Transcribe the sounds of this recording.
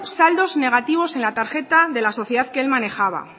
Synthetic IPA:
sald̪o̞zne̞ɣ̞at̪iβ̞o̞se̞nlat̪aɾxe̞t̪aðe̞laso̞θjeðaðkeelmane̞xaβ̞a̰

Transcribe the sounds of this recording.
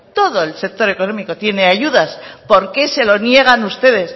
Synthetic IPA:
t̪o̞ð̞o̞elsek̚t̪o̞ɾe̞ko̞nõ̞miko̞t̪je̞ne̞aʝuðaspo̞ɾke̞se̞lo̞nje̞ɣ̞anust̪e̞ðe̞s

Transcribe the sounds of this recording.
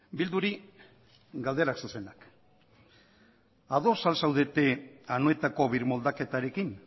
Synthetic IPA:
bild̪uɾi | ɡald̪e̞ɾaksuse̞nak | aðo̞salsawðe̞t̪e̞anoe̞t̪ako̞βiɾmo̞ld̪ake̞t̪aɾe̞kin

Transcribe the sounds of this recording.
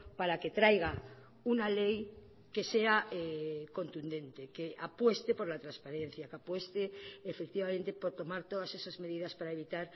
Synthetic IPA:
paɾaket̪ɾajɣ̞a | unalej | ke̞se̞aeko̞nt̪und̪ẽ̞nt̪ekeʔapwe̞st̪epo̞ɾlat̪ɾaspaɾen̟θjakapwe̞st̪eːfek̚t̪iβament̪epoɾt̪o̞maɾt̪oðasesazme̞ðiðaspaɾaeβ̞it̪aɾ

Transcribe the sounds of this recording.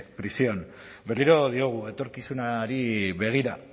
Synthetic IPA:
pɾisio̞n | be̞riɾo̞ð̞io̞ɣ̞ue̞t̪o̞ɾkisunaɾiβe̞ɣ̞iɾa

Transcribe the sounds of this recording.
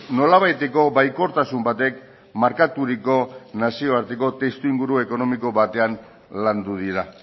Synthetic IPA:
no̞laβajt̪e̞ko̞βajko̞ɾt̪asumbat̪e̞k | maɾkat̪uɾiko̞nasio̞aɾt̪eko̞t̪e̞st̪uiŋɡuɾue̞ko̞no̞miko̞βat̪e̞an | land̪uð̞iɾa

